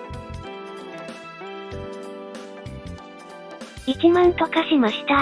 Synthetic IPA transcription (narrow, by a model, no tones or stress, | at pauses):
it͡ɕimãɰk̪akaɕimaɕi̥t̪a